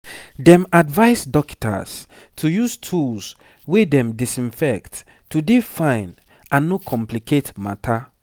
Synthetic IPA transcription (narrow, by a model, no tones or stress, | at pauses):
dɛ̃madvaɪsdɔkta̰s | tʰujustʰuls | wedɛ̃mdisĩnfɛktː | udefãɪ̃n | ãnːokʰɔ̃mplikʰetmatʰa